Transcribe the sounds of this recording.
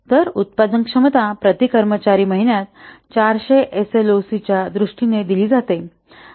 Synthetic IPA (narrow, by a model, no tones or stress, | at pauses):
t̪əɾut̪̚pad̪əŋkʂəmət̪apɾət̪ikəɾmət͡ɕaɾiːməɦiɳjat̪t͡ɕaɾɕeʔeselosit͡ɕjad̪ɾuʂʈined̪iliːd͡zat̪e